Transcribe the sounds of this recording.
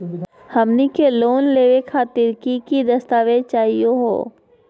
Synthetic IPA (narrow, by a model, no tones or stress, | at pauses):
hɐmnikeloːnleːʋekʰaːt̪ɪɾkikid̪ɐst̪aːʋet͡ʃaːɦijoɦo̰ː